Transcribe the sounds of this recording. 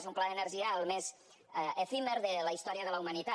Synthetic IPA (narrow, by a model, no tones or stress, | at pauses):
zumplaənəɾʒiaəlˠmez | efimeɾðəlaist̪ɔɾiəðəlaumanit̪a